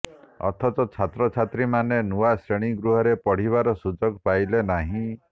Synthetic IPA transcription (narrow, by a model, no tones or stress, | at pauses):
ɔ̰t̪ʰɔt̪ɔt͡ʃʰat̪ɾɔt͡ʃʰat̪ɾimanenuasɾeɽ̃iɡɾuɦɔɾepɔɽ̤iβaɾɔsud͡ʒɔɡpajlenaɦĩ